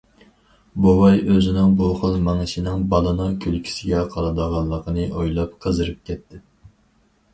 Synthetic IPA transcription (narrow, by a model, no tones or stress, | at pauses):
bowɑjøzɪnɪŋbuχəlˠmɑŋɨʃinɪŋbɑlˠɨnɨkʲʰølkʲʰi̥sɪɡʲɛqʰɑɾɑd̪əʁɑlˠːəqʰənɨʔojlˠɑp̚qʰəzɨɾɨp̚kʲɛt̪ʰːɪ